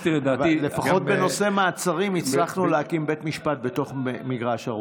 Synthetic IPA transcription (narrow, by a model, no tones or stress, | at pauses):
ieaːvilːefaχo̞t̪̚be̞no̞se̞maːt͡saʁimit͡sʁaχnuleakimbe̞tmiʃpat̚be̞to̞χemiɡʁaʃaʁu